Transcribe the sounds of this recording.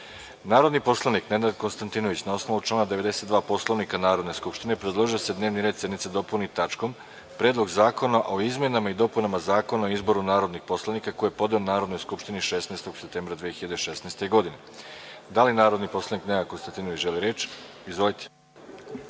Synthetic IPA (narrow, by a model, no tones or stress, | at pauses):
naːɾo̞d̪nipo̞slˠanikned̪aɾd̪̚ko̞nst̪ant̪inoʋit͡ɕnao̞sno̞ʋut͡ʃlˠaːnad̪e̞ʋe̞d̪e̞se̞t̪d̪ʋaːpo̞slˠo̞ʋnikanaːɾo̞d̪ne̞skupʃt̪inepɾed̪lˠoʒiose̞d̪ne̞ːʋniɾed̪se̞d̪nitsed̪o̞punit̪at͡ʃko̞m | pɾeːd̪lˠo̞ɡzaːko̞naʔo̞izmʲjenamaid̪o̞punamazaːko̞naoizbo̞ɾunaːɾo̞d̪nixpo̞slˠanikakojepo̞d̪eonaːɾo̞d̪nojskupʃt̪iniʃesnest̪o̞ɡ̥sep̚t̪embɾad̪ʋijexiʎad̪eʃesneːst̪e̞ɡo̞d̪ine | d̪alinaːɾo̞d̪nipo̞slˠanikne̞d̪akonst̪ant̪inoʋit͡ɕʒeliɾeːt͡ʃ | izʋo̞lit̪e̥